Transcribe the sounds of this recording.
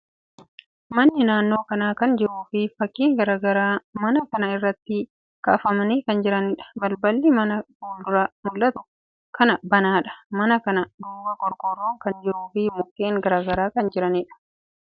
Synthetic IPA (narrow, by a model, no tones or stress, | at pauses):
mɐnːɪnaːnːo̞ːkɐnaːkɐnd͡ʒɪɾuːfɪfɐkːiːŋɡɐɾaɡɐɾaːmɐnɐkɐnɐɪrːɐt̪ːɪ | kɐfɐmɐnikɐnd͡ʒɪɾɐnɪᶑɐ̥bɐlbɐlːɪmɐnɐfuːld̪ʊɾɐmʊlːɐt̪ʊ | kʰɐnɐbɐnaːᶑɐ̥mɐnɐkɐnɐd̪uːbɐkʼɔɾkʼɔrːoːŋkɐnd͡ʒɪɾuːfɪmʊkːeːŋɡɐɾaːɡɐɾaːkɐnd͡ʒɪɾɐnɪᶑɐ̥